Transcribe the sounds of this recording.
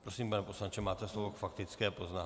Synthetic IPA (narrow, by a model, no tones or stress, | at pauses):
pɾosiːmpanɛposlant͡ʃɛmaːt̪ɛslovokfakt̪ɪt͡skɛːpoznaː